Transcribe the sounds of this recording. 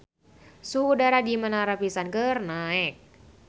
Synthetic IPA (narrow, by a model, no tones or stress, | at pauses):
suhudaɾadimənaɾapisankərnaɛk̚